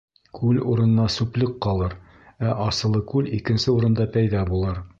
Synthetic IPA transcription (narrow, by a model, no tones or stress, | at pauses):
kʰʉluɾɤ̆nɤ̆nɑsʉplɘqqɒlˠɤɾ | æʔɒsɤ̆lˠɤkʉlikɘ̆nsɘuɾɤ̆nd̪ɑpæjðɑbulˠɤɾ